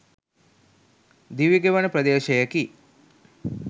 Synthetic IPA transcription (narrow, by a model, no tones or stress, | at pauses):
d̪iʋiɡeʋɐnɐpɾɐd̪eːʃɐjɐki